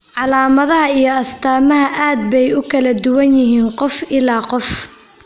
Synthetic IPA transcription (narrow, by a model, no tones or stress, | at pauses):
ʕɑlaːmɐðɐɦɐijɞɐst̪ʰaːmɐɦɐʔaːd̪̚bɛjʊkʰɐlɐd̪ʊwɐnjɪɦiːnqɔfɪlaːqɔf